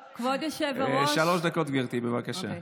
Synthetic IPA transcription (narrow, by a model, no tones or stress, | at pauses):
kvod̪eʃevʃaloʃd̪akot̪ɡviʁt̪ibevakaʃa̰